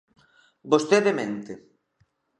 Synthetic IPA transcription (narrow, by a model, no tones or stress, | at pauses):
bost̪eðemẽnt̪e